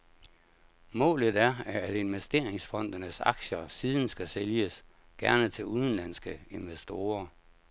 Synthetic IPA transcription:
mɔ̰̽ːləðˠæɐæɐæd̥e̝nʋesd̥e̝ɐ̰eŋsfɒ̽n̰d̥ɐnəsɑ̈ɡ̥ɕɐsiːðˠn̩sɡ̥æseljəs | ɡ̥æɐnət͡sʰe̝luðˠn̩læn̰sɡ̥əe̝nʋesd̥o̝ːɐ

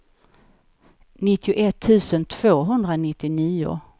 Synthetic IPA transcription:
nɪt̪ʰːɪʊʔɛt̪ʰːʉ̟ːsənt̪ʰv̥oːɦɵnd̪ɾanɪt̪ːɪniːʊ̰

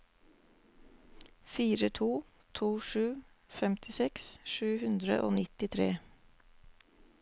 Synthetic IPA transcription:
fiːɾət̪ʰuː | t̪ʰuːʃʉː | fɛmt̪ʰɪsɛksʃʉːhʉnd̪ɾə̰ʔo̰ːnɪt̪ɪt̪ʰɾḛː

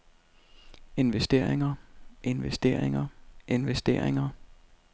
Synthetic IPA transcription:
e̝nʋesd̥e̝ɐ̰eŋɐʔe̝nʋesd̥e̝̰ɐ̰eŋɐʔe̝nʋesd̥e̝ːɐ̰eŋɐ

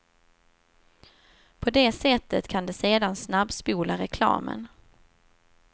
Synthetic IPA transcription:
pʰɔd̪eːsɛt̪ʰːət̪kʰand̪ɛseːd̪ansnabspuːlaɾɛkʰlɑ̰ːmə̰n

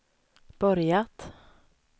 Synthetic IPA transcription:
b̥œɾjat̪

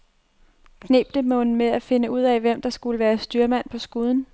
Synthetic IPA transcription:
kʰne̝ːb̥d̥əmɔ̽nn̩meæfe̝nəuð̞̰ˠɛʋem̰d̥ɑ̈sɡ̥uləʋæːɐsd̥yɐmæn̰pʰɒ̽sɡ̥uð̞ˠn̩

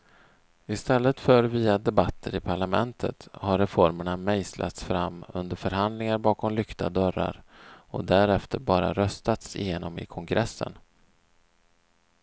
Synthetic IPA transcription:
ɪst̪ɛlːət̪fœɾviːad̪ɛbat̪ʰːəɾɪpʰaɭamɛnt̪ʰət̪haɾɛfɔɾməɳamɛjslʔa̰t̪sfɾamːɵ̰nd̪əɾfœɾɦand̪lɪŋaɾbɑːkʰɔmlʏkt̪a̰d̪œɾːa̰ɾɔ̰d̪æɾɛft̪əɾbɑːɾa̰ɾœst̪at̪sɪ̰jeːnɔmɪ̰kʰɔŋɡɾɛsːə̰n

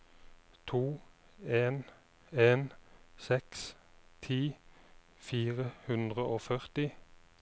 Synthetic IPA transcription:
t̪ʰuːeːn | eːnsɛks | t̪ʰiː | fiːʁəhʉnd̪ʁəʔoːfœʁt̪ɪ

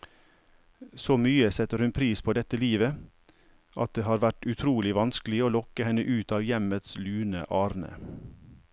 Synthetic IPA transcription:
soːmyːəsɛt̪əɾhʉnpʰɾiːspʰoːd̪ɛt̪əliːʋə | ʔɑ̰t̪̚d̪eːhɑːɾʋæʈʉt̪ʰɾuːlɪʋɑnsklɪoːlɔkəhɛnəʔʉːt̪ɑːʋjɛmət̪slʉːnə̰ʔɑːɾnə̰

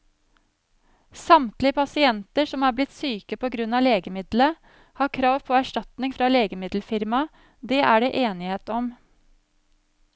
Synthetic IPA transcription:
sɑmt̪lɪəpʰɑsɪɛnt̪əʂɔmæːɾblɪt̪syːkəpʰoːɡɾʉnɑːleːɡəmɪd̪lə | hɑːkʰɾɑːʋpʰoːæʂʈɑt̪nɪŋfɾɑleːɡəmɪd̪l̩fɪɾmɑ | d̪eːʔæːɖeːʔeːnɪheːt̪ɔm

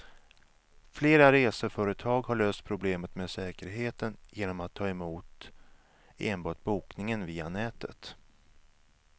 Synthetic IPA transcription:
fleːɾaɾeːsəfœːɾət̪ʰɑːɡhaɭøːst̪̚pʰɾʊbleːmət̪meːsɛːkəɾɦeːt̪ənjeːnɔmat̪ʰːɑːɛmuːt̪ | eːnbɑːʈ̚buːknɪŋənviːanɛːt̪ʰə̰t̪

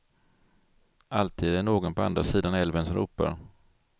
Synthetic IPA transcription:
ʔalt̪ʰiːd̪æɳoːɡɔnpʰɔa̰nd̪ɾasiːd̪anɛlvənsɔmɾṵːpːa̰ɾ

